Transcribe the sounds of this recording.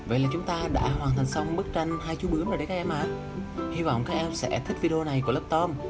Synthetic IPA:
və̰˧˨jlaː˨˩t͡ɕʊ˨˦ŋ͡mt̪aː˧ɗa̰ː˧˥ɦwaː˨˩nt̪ʰŋ̟sa˧wŋ͡mɓɨ˦˥k̚t͡ɕa˧jŋ̟haː˧jt͡ɕu˨˦ɓɨ˨˦əŋɗə˨˩ɗe˨˦kaː˦˥ʔɛ˧mʔaː˨ | hi˧vɔ̰˧˨wŋ͡mkaː˦˥k̚ʔɛ˧msɛ̰˧˥t̪ʰi˦˥k̚vi˧ɗə˧o˧na˨˩jku˧˩ələː˦˥p̚t̪ɔ˧˥m

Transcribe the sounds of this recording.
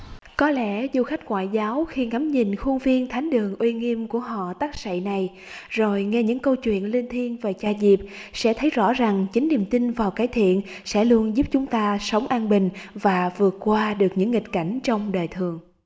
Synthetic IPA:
kɔ˨˦lɛ̰˧˥zu˧xa˦˥jk̟̚ŋwa̰ː˧˨jzaː˨˦wxi˧ŋa˨˦mɲi˨˩nxu˧nvi˧ənt̪ʰa˨˦jŋ̟ɗɨ˨˩əŋʔwi˧ŋi˧əmku˧˩əɦɔ̰˧˨t̪aː˦˥k̚sə̰˧˨jna˨˩j | zo˨˩jŋɛ˧ɲɨ̰˧˥ŋkə˧wt͡ɕwḭ˧˨ənli˧nt̪ʰi˧ənve˨˩t͡ɕaː˧˩zi˨˩p̚sɛ̰˧˥t̪ʰə˨˦jzɔ̰˧˥za˨˩ŋt͡ɕï˨˦ŋ̟ni˨˩əmt̪i˧nvaː˨˩wkaː˨˦jt̪ʰḭ˧˨ən | sɛ̰˧˥lu˧ənzu˦˥p̚t͡ɕʊ˨˦ŋ͡mt̪aː˧sə˨˦wŋ͡mʔaː˧nɓï˨˩ŋ̟vaː˨˩vɨ˨˩ət̚kwaː˧ɗɨ˨˩ək̚ɲɨ̰˧˥ŋːi˨˩k̟̚ka˧˩jŋ̟t͡ɕɔ˧wŋ͡mɗəː˨˩jt̪ʰɨ˨˩əŋ

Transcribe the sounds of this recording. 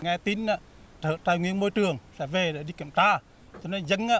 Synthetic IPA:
ŋɛ˧t̪i˧naː˧˨ | t̪ʰəː˧˨t̪aː˧˩jŋwḭ˧˨ənmo˧jt͡ɕɨ˨˩əŋsɛ̰˧˥ve˨˩ɗe˧˩ɗi˧ki˧˩əmt̪aː˧˩ | t͡ɕɔ˧ne˧˦zə˧˦ŋaː˧˨

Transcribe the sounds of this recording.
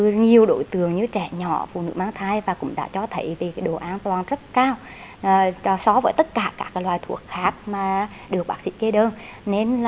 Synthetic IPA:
ɨ˧ɲi˨˩əwɗo̰˧˩˦jt̪ɨ˨˩əŋɲɨ˧˦t͡ɕɛ̰˧˩ɲɔ̰˧˩fṵ˧˨nɨ̰˧˥maː˧ŋt̪ʰaː˧jvaː˨˩kʊ̰˧˥ŋ͡mɗa̰ː˧˥t͡ɕɔ˧t̪ʰə˧˦jvi˨˩kːjɗo˨˩ʔaː˧nt̪waː˨˩nzə˦˥t̚kaː˧w | sɔ˨˦vəː˨˦jt̪ə˦˥t̚kaː˧˩kaː˦˥k̚aː˨˦jlwaː˨˩jt̪ʰu˧˩ək̚xaː˦˥k̚maː˨˩ | ɗɨ˨˩ək̚ɓaː˦˥sḭ˧˥ke˧ɗəː˧nne˧nl

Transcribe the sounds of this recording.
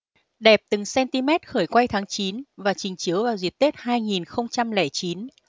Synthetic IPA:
ɗɛ˨˩p̚t̪ɨ˨˩ŋsɛ˧nt̪i˧mɛ˦˥t̚xəː˧˩jkwa˧jt̪ʰaː˨˦ŋt͡ɕi˨˦nvaː˨˩t͡ɕï˨˩ŋ̟t͡ɕi˨˦wvaː˨˩wzi˨˩ət̚t̪e˦˥t̚haː˧jŋi˨˩nxə˧wŋ͡mt͡ɕa˧mlɛ˧˩t͡ɕi˨˦n

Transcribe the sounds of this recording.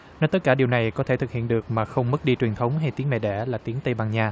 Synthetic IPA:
nɔ˨˦jt̪ə˦˥t̚kaː˧˩ɗi˨˩əwna˨˩jkɔ˨˦t̪ʰe˧˩ɨ˨˩k̚hḭ˧˨ənɗɨ˨˩ək̚maː˨˩xə˧wŋ͡mmə˦˥t̚ɗi˧t͡ɕwi˨˩nt̪ʰə˨˦wŋ͡mɦa˧jt̪i˨˦əŋmɛ̰˧˨˩ɗɛ̰˧˩˥laː˨˩t̪i˨˦əŋt̪ə˧jɓaː˧˩ŋɲaː˨˩

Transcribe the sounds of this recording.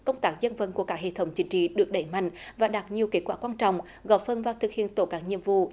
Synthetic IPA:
kə˧wŋ͡mt̪aː˦˥k̚zə˧nvə˧˩nku˧˩əkaː˦˥ɦḛ˧˨t̪ʰə˨˦wŋ͡mt͡ɕï˨˦ŋ̟t͡ɕḭ˧˨ɗɨ˨˩ək̚ɗə˧˩jma̰˧˨jŋ̟vaː˨˩ɗaː˨˩t̚ɲi˨˩əwke˦˥t̚kwaː˧˥˩kwaː˧nt͡ɕɔ̰˧˨wŋ͡m | ɣɔ˧˩p̚fə˧˩nvaː˨˩t̪ʰɨ˨k̚hḭ˧˨ənt̪o˧˩kaː˦˥k̚ɲḭ˧˨əmvṵ˧˨

